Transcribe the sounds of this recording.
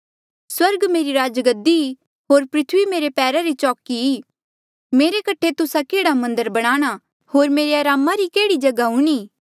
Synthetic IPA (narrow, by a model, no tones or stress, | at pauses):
swɐɾɡmeːɾiɾaːd͡ʒɡəd̪i | ɦoːɾpɾɪt̪ʰʋimeːɾepɛːɾaɾit͡ʃɔːkiiː | meːɾekɐʈʰːet̪ʊsakeːɽamɐ̃nd̪əɾbɐɽ̃aːɽ̃a | hoːɾmeːɾeaːɾaːmaɾikeːɽid͡ʒɐɡaɦʊɽ̃iː